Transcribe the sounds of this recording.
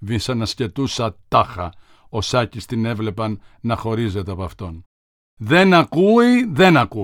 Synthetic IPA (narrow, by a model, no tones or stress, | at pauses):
visɐnɐsce̞t̪usɐt̪ɐxɐ | o̞sɐcist̪ine̞vle̞pɐnː | ɐxo̞ɾize̞t̪eɐpɐft̪o̞n | ðe̞nɐkuiðe̞nɐku